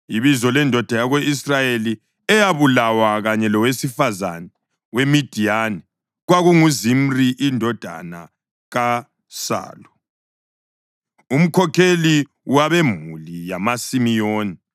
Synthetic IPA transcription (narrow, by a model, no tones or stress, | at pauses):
iβizɔlɛndʱɔd̥ʱajaɣweisrajeli | ɛjaβulawaɣaɲɛlɔwesifaza̰nɛ | wemid̥ʱijanɛ | ɣwaɣuŋuzim̩riʔindʱɔd̥ʱa̰na̰ | ɣa | sa̰ːlu | um̩kʰɔkʰeli | waβɛm̤ṵlijamasimijoːni